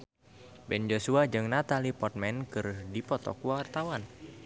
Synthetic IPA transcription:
bɛnd͡ʒosuad͡ʒɨŋnat̪alipɔt̪̚mɛnkɨrdipɔt̪ɔ̰kuwart̪awan

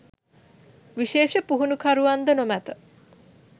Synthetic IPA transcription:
ʋiʃeːʃəpuɦunukʰaɾuʋand̪ənomæt̪ə

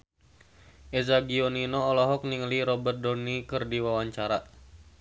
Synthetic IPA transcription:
ʔezaɡiɔninɔːlɔɦɔk̚niŋəliɾɔbərt̪̚dɔnikərdiwawaɲt͡ʃaɾa

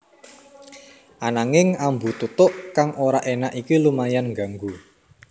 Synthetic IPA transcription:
ʔanaŋɪŋambut̪ut̪ʊʔkaŋʔoɾaʔenaʔikilumajanŋɡa̤ŋɡu

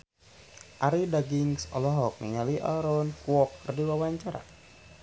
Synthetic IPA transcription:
ʔaɾidaɡiŋsɔlɔɦɔk̚miɲaliʔa̰ɾɔnkuɔkːrdiwawaɲt͡ʃaɾa̰

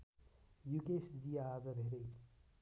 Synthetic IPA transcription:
jukesd͡ziad͡zʌd̪ʱeɾe

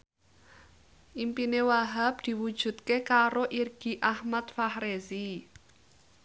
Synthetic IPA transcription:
ʔimpinewaɦap̚d̪̥i̤wud̥ʒ̥ṳt̪kekaɾoʔirɡ̥i̤ʔahmat̪̚fahɾezi

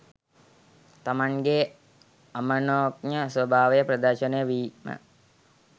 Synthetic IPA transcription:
t̪amaŋɡe | amənoːk̚ɲəsʋɐbʱaːʋejəpɾɐd̪əɾʃənəjəʋiːmə̰

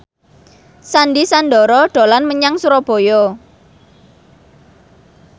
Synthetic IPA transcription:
sanɖisand̪ɔɾɔɖ̥o̤lanməɲaŋsuɾɔb̥ɔ̤jɔ

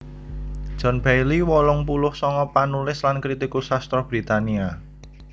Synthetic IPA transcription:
d̥ʒ̥ɔ̤nb̥ajliwɔlɔŋpulʊhsɔŋɔpanulɪslankɾit̪ikusast̪ɾɔhb̥ɾi̤t̪ania

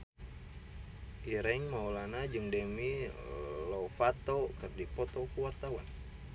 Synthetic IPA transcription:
ʔiɾɛŋmaulanad͡ʒɨŋdɛmi | lɔfat̪ɔkɨrdipɔt̪ɔkuwart̪awan

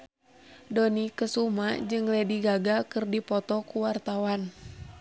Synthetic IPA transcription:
dɔnikəsumad͡ʒɨŋlɛdiɡaɡakɨrdipɔt̪ɔkuwart̪awan

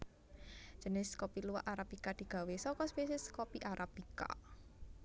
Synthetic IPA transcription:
ʒ̥ə̤nɪskɔpiluwaʔaɾabikad̪̥i̤ɡ̥ä̤wesɔkɔspesɛskopiʔaɾʔabika̰

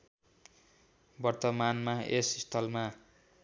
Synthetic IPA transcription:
bʌrt̪ʌmanmaesist̪ʰʌlma

